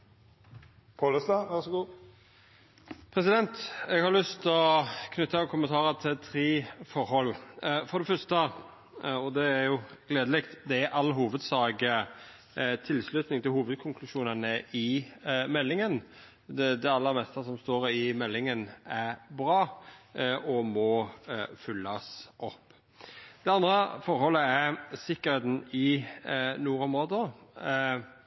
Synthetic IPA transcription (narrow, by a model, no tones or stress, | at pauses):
pʰoləst̪ɑʋæʁsɔɡuː | pʰɾɛsɪd̪ɛnt̪ɛɡhɑɾlʏst̪ɔkʰnʉt̪ːəkʰʊmənt̪ʰɑːɾət̪ʰɪlt̪ʰɾeːfɔɾhɔlːfɔɾd̪ɛfœɾst̪ə | ɔd̪ɛæɾjʊɡ̥leːd̪əlɛkt̪d̪ɛæɾʔɑlːɦuːʋəd̪sɑːɡə | t̪ʰɪlslʉt̪nɪŋt̪ʰɪlɦhuːʋəd̪̚kʰʊŋkʰlʉʃuːnənəʔɪmɛlːɪŋən | d̪ɛɑlːəɾmɛst̪əsɔmst̪oːɾɪmɛlːɪŋənæɾbɾɑː | ʔɔmɔfʏlːɑsʔɔpː | d̪̥ɛɑnd̪ɾəfɔɾhɔlːəæɾsɪkːəɾheːt̪n̩ɪ | nuːɾɔmɾoːd̪ə